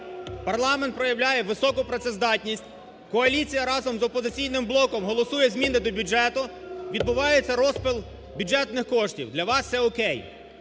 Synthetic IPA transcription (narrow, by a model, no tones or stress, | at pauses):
pɐrlˠɑmeɛnt̪̚pɾɔjɐʋlʲajɛʋɪsɔkʊpɾɔt̪sɛzd̪ɑtʲnʲisʲtʲ | kɔɐlʲit͡sʲijɐɾɑzɔmzɔpɔzɪt͡sʲijnɪmblˠɔkɔmɦɔlˠɔsujɛzʲmʲinɪd̪ɔbʲuʒɛt̪ʊʋʲid̪bʊʋɑjet͡sʲːɐɾɔspɪlˠ | bʲud͡ʒɛt̪nɪxkɔʃtʲḭwd̪lʲɐʋɑst̪sɛɔkɛj